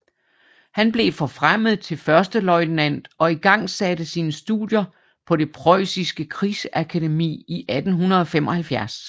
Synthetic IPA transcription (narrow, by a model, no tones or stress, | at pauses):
hænb̥le̝fɒ̽fʁam̰əð̞̩ˠt͡sʰe̝lfɶɐsd̥əlɒ̽ɪ̥næn̰d̥ɒ̽iɡ̥ɑ̈ŋ̰sædəsiːnəsd̥uðˠjɐ | pʰɒ̽d̥e̝pʰʁɒɪ̰sisɡ̥əkʰʁiːsəʔækʰæde̝mḭːiʔæd̥n̩ɦunɐðˠɒ̽fem̰ɒ̽hælfjæɐs